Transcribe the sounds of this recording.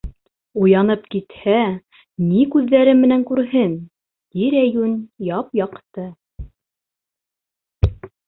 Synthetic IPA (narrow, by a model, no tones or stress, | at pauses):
ujɑnɤpkit̪hæ | nikʉðːæɾɘmːɘ̆næŋkʉɾɦɘn | d̪iɾæjʉnjɑpjɑqt̪ɤ